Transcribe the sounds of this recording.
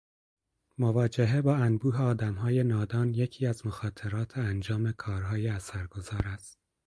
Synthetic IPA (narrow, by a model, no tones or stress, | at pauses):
movɒːd͡ʒeɦe̞bɒːænbuːɦeɒːd̪æmɦɒːje̞nɒːd̪ɒːnje̞cʰiːæzmoxɒːt̪ʰe̞ɾɒːt̪ʰeænd͡ʒɒːme̞kʰɒːɾɦɒːjeæsæɾɡo̞zɒːɾæst̪̚